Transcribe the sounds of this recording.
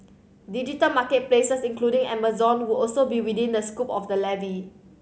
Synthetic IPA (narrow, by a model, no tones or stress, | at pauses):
did͡ʒitəlmakət̚plesəsĩŋkludĩŋɛ̰məzɔ̃nwiɔlsobiwidĩndəskupɔfdəlɛvi